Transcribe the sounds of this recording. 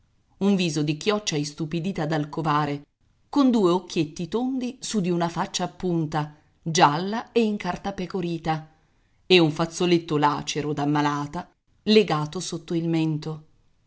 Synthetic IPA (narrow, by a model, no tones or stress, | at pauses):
uɱviːzod̪ikjɔt͡ʃːaist̪upid̪iːt̪ad̪alkovaːɾe | kond̪uːeokːjet̪ːit̪ond̪isud̪iunafat͡ʃːaːpːunt̪a | d͡ʒalːaeiŋkart̪apekoɾiːt̪a | euɱfat̪sːolet̪ːola̰ːt͡ʃeɾod̪amːalaːt̪a | leɡaːt̪osot̪ːoilment̪o